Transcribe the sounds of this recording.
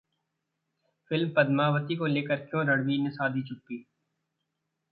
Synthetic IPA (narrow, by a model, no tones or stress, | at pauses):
fɪlmpɐd̪maːʋət̪ikoleːkəɾkjõːɾəɽʋiːnesaːd̪ʱit͡ʃʰʊpːiː